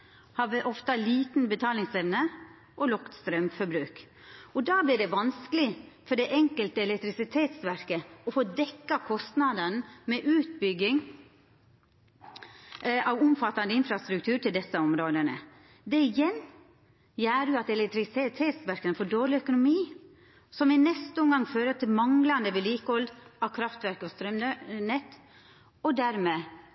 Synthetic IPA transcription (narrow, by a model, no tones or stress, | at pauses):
hɑʋʔɔft̪ɑliːt̪n̩bət̪ʰɑːlɪŋsɛʋnə | ʔɔlɔkt̪st̪ɾœmfɔɾbɾʉːk | ɔd̪ɑːblɪɖɛʋɑnskəlɪfɔɖɛʔɛŋkəlt̪əɛlɛkt̪ɾɪsɪt̪ʰeːt̪sʋæɾkəɔfoːd̪ɛkːɑkʰɔst̪nɑd̪ənmɛʔʉːt̪̚bʏɡɪŋ | ɑʋʊmfɑt̪ːɑnd̪əɪnfɾɑst̪ɾʉkt̪ʰʉːɾʈʰɪld̪ɛsːəɔmɾoːd̪ənə̰ | d̪ɛɪjɛnː | jæːɾjʊɑt̪ɛlɛkt̪ɾɪst̪ʰeːt̪ʰeːt̪sʋæɾkənəfoːɖoːɭɪœkʊnʊmiː | sɔmʋɪnɛst̪əʊmɡɑŋːføːɾət̪ʰɪlmɑŋlɑnd̪əʋɛliːkəɔld̪ɑʋkʰɾɑft̪ʋæɾkəɔst̪ɾœmnɛt̪ː | ɔd̪æɾmeː